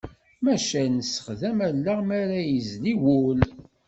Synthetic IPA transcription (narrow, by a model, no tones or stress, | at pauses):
mæʃænəsːə̥χðæmælːaʁmæɾæjəzliwul